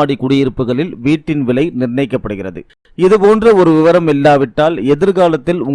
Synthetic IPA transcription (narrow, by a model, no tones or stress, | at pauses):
aːɽikʊɽɪjɪɾɯpːɯɣɐɭɪlʋiːʈːɪnʋɪlɐɪnɪrnɐɪkːɐpːɐɽɯɣɪrɐðɯ̰ | ɪðɯpoːndrɐɔɾɯʋɪʋɐɾɐmɛlːaːʋɪʈːaːlɛðɪɾɣaːlɐt̪ːɪlʊŋ